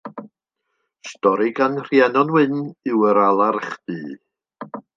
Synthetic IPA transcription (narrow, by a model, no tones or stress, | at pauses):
stɔɾɪɡanr̥jɛnɔnwɨnɪwəɾalˠarχd̥ɨː